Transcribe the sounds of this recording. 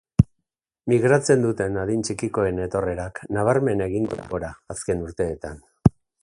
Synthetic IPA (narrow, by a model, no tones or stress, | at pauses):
miɣ̞ɾat͡se̞nd̪ut̪e̞naðint͡ʃikiko̞e̞ne̞t̪o̞re̞ɾaknaβ̞aɾme̞ne̞ɣiŋɡoɾaːske̞nuɾt̪e̞ːt̪an